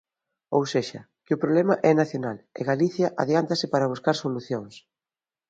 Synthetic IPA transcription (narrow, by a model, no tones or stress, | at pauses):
owseʃɐ | kɪʊpɾoβlɛmɐʔɛnaθjonalɪ̰ɣaliθjɐʔaðjant̪asɪpaɾɐβ̞uskaɾsoluθjoŋs